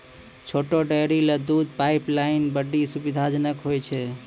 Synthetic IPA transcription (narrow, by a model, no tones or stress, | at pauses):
t͡ʃʰoʈoɖəjɾiled̪ud̪ʱpaiplainbəɖːisubid̪ʱad͡ʒənəkɦojt͡ʃʰɛ